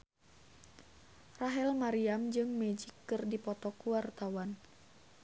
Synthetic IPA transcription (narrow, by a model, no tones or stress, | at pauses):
raɦɛlmaɾiamd͡ʒɨŋmɛd͡ʒikːɨrdipɔt̪ɔkuwart̪awan